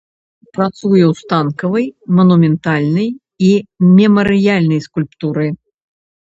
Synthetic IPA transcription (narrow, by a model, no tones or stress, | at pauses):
pɾat̪sujɛwst̪ankɐvɐjmɐnumʲɛnt̪alʲnɐj | imʲɛmɐɾɨjalʲnɐjskulʲpt̪uɾɨ